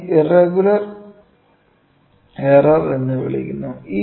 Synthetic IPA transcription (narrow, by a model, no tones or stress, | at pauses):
ireɡulɐr | herɐrenːɨʋḭɭḭkʲːunːuiː